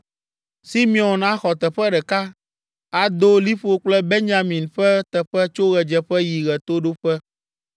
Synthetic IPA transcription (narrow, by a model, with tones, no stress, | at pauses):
si˦mĩ˨ɔ˨na˦xɔ˨t̪ɛ˨ɸɛ˦ɖɛ˨ka˦ | a˨d̪o˦li˦ɸo˨k͡plɛ˦be˦nd͡ʒa˦mĩ˨nɸɛ˦t̪ɛ˨ɸɛ˦t͡ʃo˦ɣɛ˨d͡ʒɛ˨ɸɛ˦ji˨ɣɛ˨t̪o˦ɖo˦ɸɛ˦